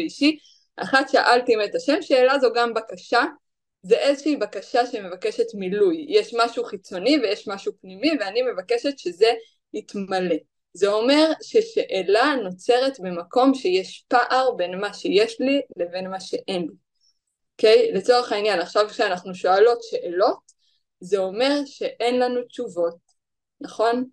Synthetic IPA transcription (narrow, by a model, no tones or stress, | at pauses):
eiʃi | ʔa̰χat̪ʃea̰ʔaltiimetaʃe̞mʃeːlazo̞ɡambakaʃa | zeʔezoʃeibakaʃaʃeme̞vake̞ʃe̞tmilujjeʃmaʃuχit͡so̞nivejeʃmaʃupnimiveanime̞vake̞ʃetʃeze | itmale̞ | zeo̞me̞ʁʃeʃeʔelano̞t͡se̞ʁe̞tbemako̞mʃejeʃpaʔaʁbe̞nmaʃejeʃlile̞ve̞nmaʃe̞ʔe̞nli | okejle̞t͡so̞ʁeχainjanaχʃavkʃeanaχnuʃo̞alo̞tʃe̞ʔelo̞t | zeo̞me̞ʁʃe̞ʔenlanut͡ʃuvo̞t̚ | naχo̞n